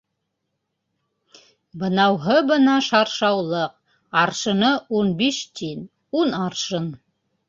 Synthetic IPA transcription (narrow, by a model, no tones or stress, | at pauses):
bɤ̆nɑwɦɤbɤ̆nɑʃɑɾʃɑwlˠɤq̚ | ɑɾʃɤ̆nɤunbiʃt̪in | unɑɾʃɤn